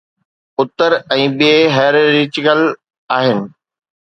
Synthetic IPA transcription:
ʊt̪əɾɛ̃ːɓeɦɛːɾɾɪt͡ɕɪkəl | aːɦɪnɪ̆

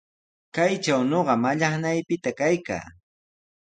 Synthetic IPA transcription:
kajt͡ʃawnoɢɑmaʎɑχnajpɪt̪akajka̰ː

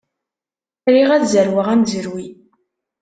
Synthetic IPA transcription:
ɾiʁæðzəɾwəʁæmzəɾwi

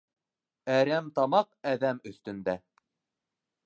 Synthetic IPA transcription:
æɾæmt̪ɑmɑqæðæmɵ̆θt̪ɵ̆nd̪æ

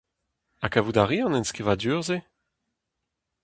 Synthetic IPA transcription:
akavudaʁiɑ̃nɛ̃nskivadyːʁze

